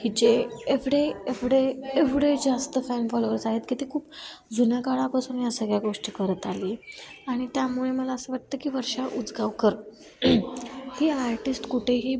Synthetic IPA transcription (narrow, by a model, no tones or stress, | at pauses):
hiːd͡ʑeːʋɽeeʋɽeːʋɽed͡zast̪əfænfɔloʋəɾsaɦet̪kit̪ʰikʰuːpd͡zunakaɭapasuːnjasəɡɭjaɡoʂʈiːkəɾət̪aliːaɽ̃it̪jamuɭeməlaəsəːʋaʈ̚t̪əːkiːʋəɾʂaʔud͡zɡaʋkəɾ | hiːaɾʈisʈkuʈʰeɦiː